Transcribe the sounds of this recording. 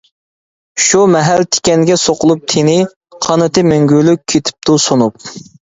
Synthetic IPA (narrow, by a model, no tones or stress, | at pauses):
ʃumɛɦæɾt̪ʰe̥kʲɛnɡʲɛsoqʊlˠup̚t̪ʰenɪ | qʰɑnɨt̪ɨmeŋɡʲylykʲʰːet̪ʰɪ̥p̚t̪ʰusonup̚